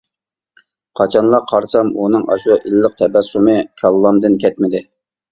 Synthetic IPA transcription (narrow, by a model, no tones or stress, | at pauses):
qʰɑt͡ʃʰɑnlˠɑqʰɑɾsɑmunɨŋʔɑ̰ʃuʔilːəq̚t̪ʰɛbɛsumɨkʲʰɑlˠːɑmd̪ɨnkʲʰɛt̪̚mɪd̪ɪ